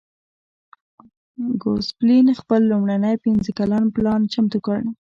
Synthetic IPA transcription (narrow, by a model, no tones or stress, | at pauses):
ɡosplinxpəlːumɽanəjpinzəkalanplɑnt͡ʃamt̪ukəɽ